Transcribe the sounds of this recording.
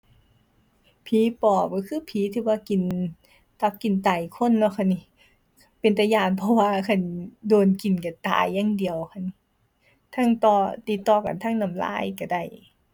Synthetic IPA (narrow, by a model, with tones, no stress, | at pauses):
pʰiː˨˦pɔː˨˩p̚kɔ˧kʰɯː˧˥˨pʰiː˨˦t̪ʰiː˧˩waː˧˨ki˨n | t̪a˧˩p̚ki˨˩nt̪aː˨˩jkʰo˧˥˨nːɔ˧˨kʰa˧˨ni˧˩ | pe˨nt̪a˧˩jaː˧˩˨npʰɔ˧waː˧kʰa˧˩ndoː˨˩nki˨˩nka˧˩t̪a̰ː˨˩jːa˧˥˨ŋdi˨əwkʰa˧˨n˧ | t̪ʰa˧˥˨ŋt̪ɔː˧˩t̪i˧˩t̪ːɔː˧˩ka̰˨nt̪ʰa˧˥˨ŋna˧˩˨mla̰ː˧˥˩jka˧˩da˧˩˨j